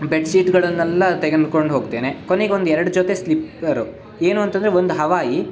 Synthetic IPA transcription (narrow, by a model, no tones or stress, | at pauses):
beʈsiːʈɡɐɭɐnːɛlːɐt̪eɡenko̞ɳɖɦoːɡt̪eːnekoneɡeo̞nd̪ɛɾɐɽud͡ʒot̪e̞slipɐɾu | eːnuːɐnt̪ɐnd̪ɾeond̪uɦɐʋaːji